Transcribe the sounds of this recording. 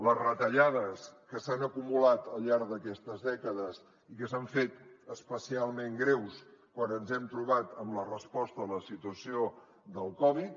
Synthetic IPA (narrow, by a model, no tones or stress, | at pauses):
ləzrət̪əʎað̞əskəsanəkumulat̪əlˠʎaɾðəkɛst̪əzðɛkəðəz | ikəsaɱfet̪əspəsialˠmẽŋɡɾewskwanənzɛmt̪ɾuβat̪əmlərəspɔst̪ələsit̪uəsio | d̪əlˠkɔβit̪̚